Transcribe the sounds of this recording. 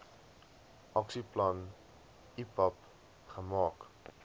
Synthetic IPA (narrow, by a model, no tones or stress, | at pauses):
ʔɔksiplɔ̃n | ipɔp | χəmɔk